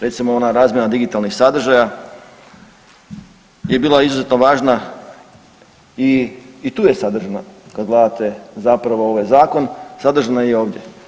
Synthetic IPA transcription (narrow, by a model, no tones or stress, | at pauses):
ɾe̞t̪simoonaɾaːzmjenad̪iɡit̪alˠnixsad̪ɾr̩ʒaja | je̞biːlˠaizuze̞t̪no̞ʋaːʒna | iːt̪uːje̞sad̪ɾr̩ʒanakad̪ɡlˠaːd̪at̪e̞zapɾaʋooʋajzaːko̞nsad̪r̩ʒanajeo̞ːʋdʲje̞